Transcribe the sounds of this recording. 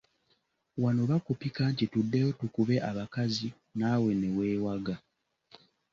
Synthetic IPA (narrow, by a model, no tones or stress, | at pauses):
wano̞βakupikaːntitudːejo̞tukuβe̞ʔaβakazi | naːwe̞ne̞we̞ːwaɡa